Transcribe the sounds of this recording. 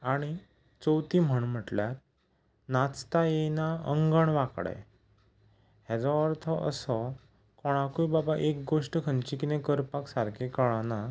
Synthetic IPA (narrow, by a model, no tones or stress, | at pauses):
aɽ̃i | t͡sɔwt̪im̤əɳm̤əʈljaɾ | nat͡st̪ajenaəŋɡəɳʋakɽa̰j | ɦjad͡zɔɔɾt̪ʰɔʔə̰sɔ | kɔɽ̃akujbabaʔek̚ɡoʂʈəkʰənt͡ɕikinẽkəɾpaksaɾkʰekəɭana